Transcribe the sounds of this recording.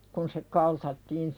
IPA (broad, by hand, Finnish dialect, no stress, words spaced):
kun se kɑltɑtːiːn